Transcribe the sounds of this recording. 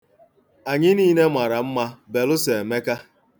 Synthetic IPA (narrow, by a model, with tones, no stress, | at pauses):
a˨ɲɪ˦niː˦ne˦mʷa˨ɾa˨m̩˦ma˦be˨lʊ˦se˨e˨me˦ka˦